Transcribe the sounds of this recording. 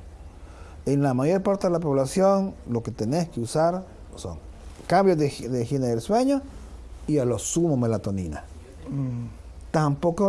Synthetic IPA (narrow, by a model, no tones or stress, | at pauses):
enlamajoɾpaɾt̪eðelap̬oβlasjonloket̪enehkeusaɾ | so̰ŋ | kambjoðeðexineðelsweɲo | ialosumomelat̪onḭna̰ | t̪ampoko